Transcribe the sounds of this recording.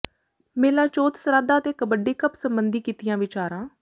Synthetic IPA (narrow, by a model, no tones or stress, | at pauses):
meːlãːt͡ʃoːt̪səɾaːd̪aːət̪eːkəbəɖeːkəpsəmbənd̪iːkiːt̪ɪjãːʋɪt͡ʃaːɾãː